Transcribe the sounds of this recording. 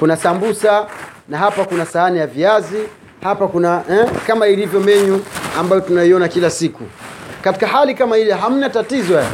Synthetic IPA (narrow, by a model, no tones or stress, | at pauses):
kunasambusanaɦapakunasaanijaviazi | hapakunaʔɛkamailivjɔmɛɲuambajɔtunaiɔnakilasikṵkati̥kaɦalikamahilɛɦam̩natatizɔja